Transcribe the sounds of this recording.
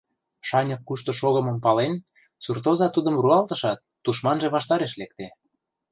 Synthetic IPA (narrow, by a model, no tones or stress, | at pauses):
ʃɑnʲɤkːuʃt̪ŏʃoɣə̆mɤ̆mpɑlen | surt̪ozɑt̪ud̪ə̆mruɑlt̪ɤ̆ʃɑt̪ːuʃmɑnʒeβɑʃt̪ɑɾeʃlek̚t̪e